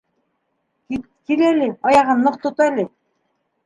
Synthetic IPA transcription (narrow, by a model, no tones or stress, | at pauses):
ki | kilælʲɘɑjɑʁɤnːɤ̆qt̪ŏt̪ælʲɘ